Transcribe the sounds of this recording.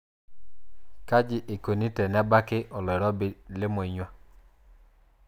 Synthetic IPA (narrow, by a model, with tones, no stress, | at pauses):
ka˦d͡ʒɪ˨ʔe˨ko˨ni˦tɛ˨nɛ˦ba˦kɪ˦ʔɔ˨lɔ˨ɾɔ˦blɪ˦mʊ˨i˨ɲwa˦